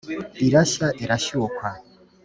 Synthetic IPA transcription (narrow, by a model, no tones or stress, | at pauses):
iɾaʃaʔiɾaʃiwokwaɲ